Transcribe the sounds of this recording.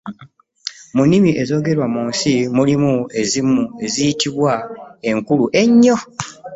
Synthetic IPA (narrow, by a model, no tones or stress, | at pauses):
munːimiʔe̞zo̞ːɡe̞ɾwamuːnsimulimue̞zimue̞zijitiβwae̞ŋkuluʔe̞ɲːo̞